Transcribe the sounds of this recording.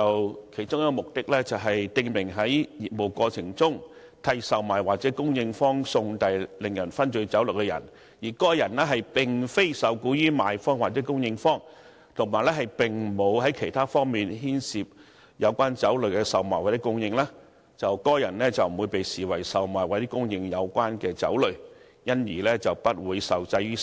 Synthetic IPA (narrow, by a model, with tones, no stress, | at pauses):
t͡sɐ˨wkʰe˨˩t͡sʊ˥ŋjɐ˥kːɔː˧mʊ˨k̚t̪ɪ˥k̚lɛː˥t͡sɐ˨wɦɐ˨jt̪ɪ˧ŋmɪ˨˩ŋɦɐ˨˥jji˨˩t̚mo˨˩wkɔː˧t͡sʰɪ˨˩ŋt͡sʊ˥ŋ | t̪ʰɐ˧jsɐ˨wmaː˨˩jwaː˨k̚t͡sɛː˨˥kʊ˥ŋjɪ˧ŋfɔː˥ŋsʊ˧ŋt̪ɐ˧jlɪ˨ŋjɐ˨˩nfɐ˥nt͡ʃɵ˧ɥt͡sɐ˨˥wlʊ˨˩kɛ˧jɐ̰˨˩n | jiː˨˩kɔː˥jɐ˨˩nlɛː˥ɦɐ˨jpɪ˨˩ŋfe˥jsɐ˨˧wkuː˧˥jyː˥maː˨jfɔː˥ŋwaː˨˩t͡sɛ˨˥kʊ˥ŋjɪ˧ŋfɔː˥ŋ | t̪ʰʊ˨˩ŋmaː˨˩lɛː˥ɦɐ˨jpɪ˨ŋ̩˨˩mo˨˧wɦɐ˨˥jkʰe˨˩jt̪ʰaː˥fɔː˥ŋmiː˨nɦiː˥nsiː˨p̚ | jɐ˨˧wkʷaː˥nt͡sɐ˨˥wlɵ˨˧kɛ˧sɐ˨wmaː˨jwɐ˨˩ɐ˥kʊ˥ŋjɪ˧ŋlaː˥ | t͡sɐ˨wkɔː˥jɐ˨˩nlɛː˥t͡sɐ˨wm̩˨˩wuː˨˧jpe˨jsiː˨wɐ˨˩jsɐ˨wmaː˨˩jwɐ˨˩t̪i˥kʊ˥ŋjɪ˧ŋjɐ˨˧wkʷaː˥nkɛː˧t͡sɐ̰˨˥wlɵ˨ɥ | jɐ˥njiː˨˩lɛ˥t͡sɐ˨wpɐ˥t̚wuː˨˧jsɐ˨wt͡sɐ˧jjyː˥